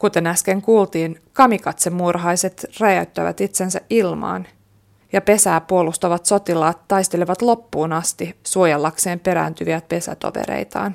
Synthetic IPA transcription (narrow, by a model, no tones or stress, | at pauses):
kut̪e̞næske̞ŋkuːlt̪iːn | kɑmikɑt̪semːurɦɑjse̞t̪ræjæyt̪ːæ̰ʋæ̰t̪it̪se̞nsæʔʔilmɑ̰ːn | jɑpe̞sæːpuolust̪ɑʋɑt̪so̞t̪ilɑːt̪ːɑjst̪e̞leʋɑt̪lo̞pːuːnɑst̪isuojelːɑkse̞ːmpe̞ɾæ̰ːnt̪yʋiæt̪̚pe̞sæ̰t̪o̰ʋḛɾḛjt̪ɑ̰ːn